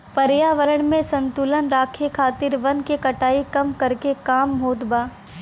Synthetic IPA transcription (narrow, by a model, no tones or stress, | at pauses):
pɐɾjaːʋəɾəɽ̃mẽsɐ̃nt̪uːlənɾaːkʰekʰaːt̪ɪɾʋɐnkekɐʈaːikɐmkɐɾkekaːmɦoːt̪baː